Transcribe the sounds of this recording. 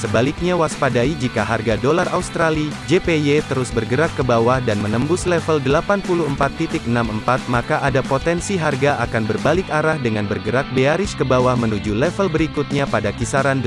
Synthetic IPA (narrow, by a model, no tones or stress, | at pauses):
səbalɪk̚ɲawaspadaid͡ʒikaɦarɡadolaraust̪ɾalid͡ʒepejet̪əɾʊsbərɡəɾakːəbawahdanmənəmbʊslɛfəldəlapanpuluəmpat̪ːit̪ɪk̚ənaməmpat̪̚makaʔadapot̪ɛnsiɦarɡaʔakanbərbalɪkaɾahdəŋanbərɡəɾak̚beaɾɪskəbawahmənud͡ʒulɛfəlbəɾikut̪̚ɲapadakisaɾand